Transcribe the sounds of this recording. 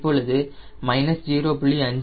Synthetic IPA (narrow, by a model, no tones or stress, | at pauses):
pːoːɭɐðɯ | mɐɪnɐsd͡ʒiːɾoːpɪɭiɐɲd͡ʒ